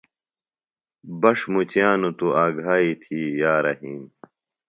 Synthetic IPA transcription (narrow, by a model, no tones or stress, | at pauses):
bɐʂmut͡ɕjaːnut̪uaːɡʱaːit̪ʰiːjaːɾɐɦiːm